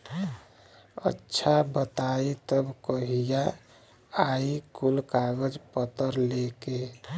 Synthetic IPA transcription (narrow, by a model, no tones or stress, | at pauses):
ə̰tːʃʰabət̪ait̪əbkəɦija | aikulkaɡəd͡ʒpət̪əɾleke